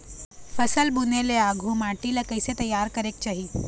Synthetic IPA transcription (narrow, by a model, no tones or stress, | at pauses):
fəsəlbuneleaɡʱũːmaʈilakəjset̪əjːaɾkəɾek̚t͡ɕaɦi